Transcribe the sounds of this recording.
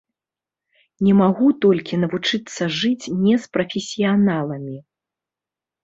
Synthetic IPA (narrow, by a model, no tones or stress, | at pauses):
nʲɛmaɣut̪ɔlʲkʲinɐvut͡ʂɨt̪sːɐʐɨt͡sʲnʲɛspɾɐfʲɛsʲijanalˠɐmʲi